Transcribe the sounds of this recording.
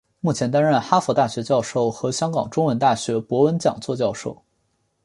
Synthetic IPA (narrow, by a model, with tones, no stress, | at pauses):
mu˥˩t͡ɕʰjɛ˧˥nt̪a˥nɻə˥˩nxa˥fu˧˥t̪a˥˩ɕɥɛ˧˥t͡ɕjɑ˥˧ʊʂo˥˩ʊxɤ˧˥ɕjɑ˥ŋkɑ˨˩ŋʈ͡ʂʊ˥ŋwə˧˥nt̪a˥˩ɕɥɛ˧˥pwɔ˧˥wə˧˥nt͡ɕjɑ̰˨˩ŋt͡swɔ˥˧t͡ɕjɑ˥˧ʊʂo˥˩ʊ